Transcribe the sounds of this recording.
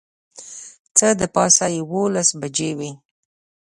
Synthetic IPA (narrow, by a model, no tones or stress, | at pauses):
t͡səd̪əpɑsajɪwolasbad͡ʒewi